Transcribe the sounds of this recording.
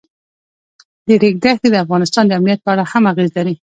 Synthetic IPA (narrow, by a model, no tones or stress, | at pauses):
d̪əɾeɡ̚d̪axd̪ed̪əafɣɑnɪst̪ɑnd̪əamnijat̪̚pəaɽahamaɣezlawi